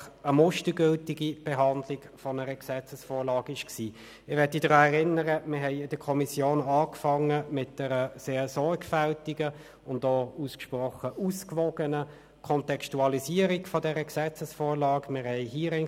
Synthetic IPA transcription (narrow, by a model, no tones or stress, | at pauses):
əmʊʃtəɡʏltɪɡib̥ɛɦɑndlɪɡ | fɔnəʁəksɛt͡səsfoːlɑːɡɪʃksiː | ɪʋɛɐtidʁɑːɛʁɪnəʁəmɪɦɛɪɪd̥əkʰɔmisjoːnɑːkfɑŋəmɪt̚dɛʁəseːɐsɔɹɡfæltiɡə | ʊndɔːuskʃprɔχəʔuskʋɔɡ̥ənə | kʰɔntɛkstuɑlisiːəʁiɡfɔdɛʁəksɛt͡səsfoːʁlɑːɡmɪʁhɛɪɦiːʁɛn